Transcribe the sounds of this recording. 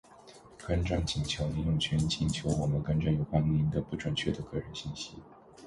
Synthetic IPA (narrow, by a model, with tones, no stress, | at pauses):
kə˥nʈ͡ʂa˥˩ŋt͡ɕi˨˩ŋt͡ɕʰjo˧˥ʊli˧˥jʊ˥˩ŋt͡ɕʰɥɛ˧˥n˥t͡ɕʰi˥˩nt͡ɕʰjo˧˥ʊwɔ˨˩mə˧˦nkə˥nʈ͡ʂnjo˨˩ʊkwa˥ni˥i˧˥nd̪ə˧pu˥˩ʈ͡ʂwə˨˩nt͡ɕʰɥɛ˥˩d̪ə˩kɤ˥˩ɻə˧˥nɕi˥˩nɕi˥